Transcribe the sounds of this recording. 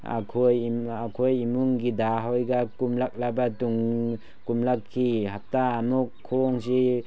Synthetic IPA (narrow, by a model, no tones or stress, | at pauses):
a̰kʰojakʰojimuŋɡidaɦojɡakumlak̚labatuŋ | kumlakʰːiɦap̚taːmukʰːoŋsi